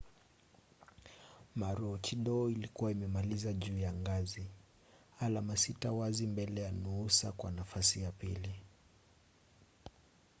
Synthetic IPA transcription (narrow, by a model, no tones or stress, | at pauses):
maɾɔt͡ʃiɗɔilikuwaimɛmalizaʄuːjaŋɡazi | alamasitawazimbɛlɛjanuusa̰kwa̰nafasijapili